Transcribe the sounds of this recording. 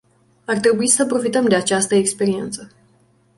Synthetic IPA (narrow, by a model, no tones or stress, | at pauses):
art̪ɾe̞buisəpɾo̞fit̪əmd̪e̞at͡ʃast̪əekspe̞ɾie̞̰nt̪sə